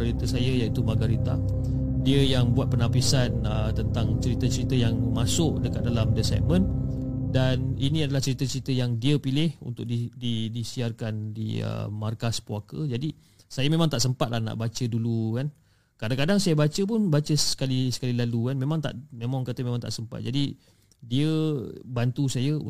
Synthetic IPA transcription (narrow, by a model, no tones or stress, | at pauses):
aɾit̪əsajajait̪umaɡaɾit̪a | diəjaŋbuat̪̚pənapisan | ət̪ənt̪aŋt͡ʃəɾit̪at͡ʃəɾit̪əjaŋmasʊʔdəkat̪̚dalamdəsɛ̰p̚mə̃ndaninĩadalaht͡ʃəɾit̪at͡ʃəɾit̪əjaŋdiəpilɪhṵnt̪ʊk̚dididisiarkandḭə̰markaspuakə̰d͡ʒadi | sajamẽmãŋt̪aʔsəmpat̪̚lahna̰ʔbat͡ʃədulukan | kadaŋkadaŋsajəbat͡ʃəp̬ʊnbat͡ʃəsə̥kalisə̥kalilalukanmemãŋt̪a̰ʔmemãŋkat̪əmẽmãŋt̪a̰ʔsəmpa̰t̪̚d͡ʒadi | diəbant̪usajə̰